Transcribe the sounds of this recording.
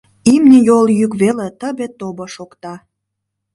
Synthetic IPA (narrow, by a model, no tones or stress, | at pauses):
imnʲijoljykβelet̪əbet̪oboʃokt̪ɑ